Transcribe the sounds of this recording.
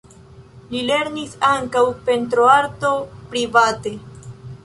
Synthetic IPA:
lile̞ɾnisaŋkawpe̞ntɾoaɾto̞pɾivate̞

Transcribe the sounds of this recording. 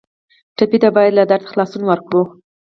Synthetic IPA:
ʈapit̪abɑjad̪lad̪aɾt̪ḁxlɑsunwəɾkɽu

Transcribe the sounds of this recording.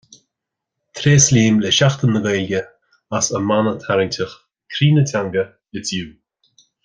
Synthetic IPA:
t̪ʰɾeːsliːmlɛʃaxt̪ənːəɡajlɡʲə | asəmanət̪ʰaɾɪŋtʲʰəx | kʰɾiːnətʲʰaŋɡə | ɪt͡sjuː

